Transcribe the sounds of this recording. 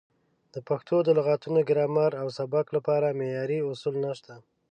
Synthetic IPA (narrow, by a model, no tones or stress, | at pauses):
d̪̥əpaxt̪ʰod̪əlʊɣɑt̪unoɡɪɾɑmaɾawsabaklapɑɾamejɑɾiʊsulnaʃt̪a